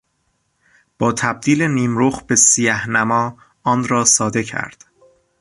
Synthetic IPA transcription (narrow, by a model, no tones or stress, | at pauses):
b̥ɒːt̪ʰæb̚d̪iːle̞niːmɾoːxbe̞sijæhnæmɒː | ɒːnɾɒːsɒːd̪e̞cʰæ̰ɾd̪̥